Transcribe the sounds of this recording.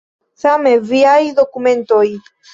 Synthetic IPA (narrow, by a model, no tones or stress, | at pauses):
sameviajd̪okument̪oj